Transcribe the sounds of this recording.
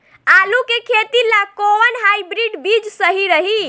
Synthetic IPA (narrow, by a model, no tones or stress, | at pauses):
alukekʰet̪ilakoʋənɦajbɾiɖbid͡ʒsəɦiɾəɦi